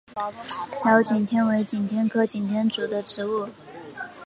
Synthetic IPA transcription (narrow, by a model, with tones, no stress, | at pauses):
ɕjɑ˧˥ʊt͡ɕi˨˩nt̪ʰjɛ˥nwe˧˥ɪt͡ɕi˨˩nt̪ʰjɛ˥nkʰɤ˥t͡ɕi˨˩nt̪ʰjɛ˥nt͡su˨˩d̪ə˦ʈ͡ʂʰɻ̩˧˥u˥˩